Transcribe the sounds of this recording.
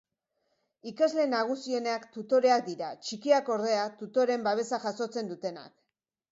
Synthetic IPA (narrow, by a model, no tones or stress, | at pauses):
ikazle̞naɣ̞usio̞neakt̪ut̪o̞ɾe̞ak̚d̪iɾat͡ʃikiako̞ɾðe̞at̪ut̪o̞ɾe̞mbaβ̞e̞saʝaso̞t͡se̞nd̪ut̪e̞na̰k